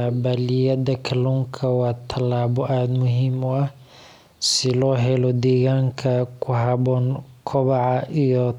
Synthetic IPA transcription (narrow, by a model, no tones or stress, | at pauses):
bɐlɪjɐðɐkʰɐluːŋkʰɐwɑːt̪ʰɐlaːβɔʔaːd̪mʊɦiːmʊɐh | sɪlɔːɦɛlɔd̪ɛːɣaːŋkʰɐkʰʊɦɑbɔːnkʰɔβɑʕɑʔijɔ